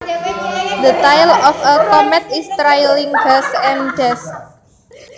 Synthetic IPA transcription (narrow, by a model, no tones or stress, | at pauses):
d̪ət̪ajlɔfəkɔmɛt̪ist̪ɾajliŋbɛsɛ̃ndɛs